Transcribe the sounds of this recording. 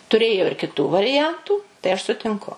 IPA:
tʊˈrʲeːjoː ɪr kʲɪˈtuː ʋɐrʲɪˈjɛntuː tɐɪ ɐʃ sʊtʲɪŋˈkʊ

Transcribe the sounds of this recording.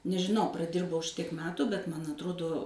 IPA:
nʲɛʒʲɪˈnɐʊ prɐˈdʲɪrbɐʊ ˈʃʲɪtʲiɛk ˈmʲæːtʊ bʲɛt ˈmɐn ɐtˈroːdoː

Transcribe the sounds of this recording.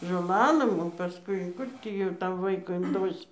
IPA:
ʒoːˈlˠɑːlˠɘm oː pɐˈskʊɪ ˈkʊr tʲiː jɛʊ ˈtɐm ˈʋɐɪkʊ ɪnˈdoːsʲɪ

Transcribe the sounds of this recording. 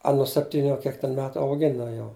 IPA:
ˈɐ nʊ sʲɛpʲˈtʲiːnʲʊ ɐ ˈkʲiɛk tʲɛn ˈmʲæːtʊ ɐʊˈɡʲɪnɐ jɛʊ

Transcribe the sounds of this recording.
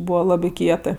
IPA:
ˈbuːʋɐ ˈlˠɑːbʲɪ ˈkʲiɛtɜ

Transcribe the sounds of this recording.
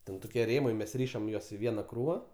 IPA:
ˈtʲɛn ˈtoːkʲiɛ ˈrʲeːmɐɪ ˈmʲɛs ˈrʲiːʃɐm ˈjuɔs ɪ ˈʋʲiɛnɐ ˈkruːʋɐ

